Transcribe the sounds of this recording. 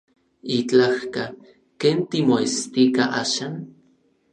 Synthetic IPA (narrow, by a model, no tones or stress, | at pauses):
it͡ɬahka | keːnt̪imoest̪ikaʔaːʃan